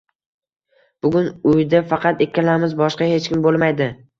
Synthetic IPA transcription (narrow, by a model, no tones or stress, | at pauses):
b̥ʊɡʲʊnʊjd̪afɑqʰɑt̪e̞kʲːalamɪzbɒʃqɑhe̞t͡ʃkʲɪmbolˠmajd̪ɪ